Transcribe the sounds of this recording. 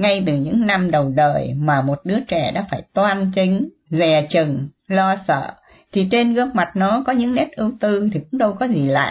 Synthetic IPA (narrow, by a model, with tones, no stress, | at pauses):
ŋa˧jt̪ɨ˨˩ɲɨ̰˧˥ŋna˧mɗə˨˩wɗəː˨˩jmaː˨˩mo˨˩t̚ɗɨ˨˦ət͡ɕɛ˧˩ɗa̰ː˧˥faː˧˩jt̪waː˧nt͡ɕï˨˦ŋ̟ | zɛ˨˩t͡ɕɨ˨˩ŋ | lɔ˧sə̰ː˧˨ | t̪ʰi˨˩t͡ɕe˧nɣɨ˧ək̚ma˨˩t̚nɔ˨˦kɔ˨˦ɲɨ̰˧˥ŋnɛ˦˥t̚ʔɨ˨˧wt̪ɨ˧t̪ʰi˨˩kʊ̰˧˥ŋ͡mɗə˧wkɔ˨˦zi˨˩la̰ː˧˨j